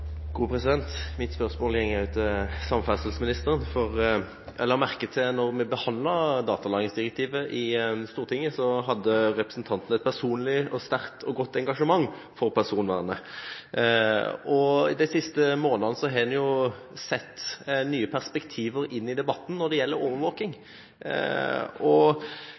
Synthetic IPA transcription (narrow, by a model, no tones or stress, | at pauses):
ɡ̥uːpʰɾɛsɪd̪ɛnt̪mɪt̪spœʁsmoːljɛŋːʉt̪ːɪsɑmfæsəl̩səmɪnɪst̪əɾənfɔɾ | ʔɛlːəʁmæʁkət̪ʰɪlnɔɾmɛbəhɑnd̪lɑɾd̪ɑːt̪ɑlɑːɡ̪nɪŋsd̪ɪɾɛk̚t̪ʰiːʋəʔɪst̪uːɾt̪ɪŋːəsɔɦɑd̪ːəɾɛpɾə̥sn̩t̪ʰɑnt̪n̩ɛt̪̚pʰæʁsuːnlɪɔst̪æʁkt̪ʰɔɡɔt̪ːɛŋɡɑʂəmɑŋː | fɔɾpʰæʁsuːnʋæːɾənə | ɔɪd̪ɛsɪst̪əmoːnɑnəsɔɦɛːnjʊ | sɛt̪ːnyːəpʰæʁspɛkt̪ʰiːʋəɾɪnːɪd̪ɛbɑt̪ːn̩nɔd̪ɛjɛlːəɾoːʋəɾʋoːkɪŋ | ɔ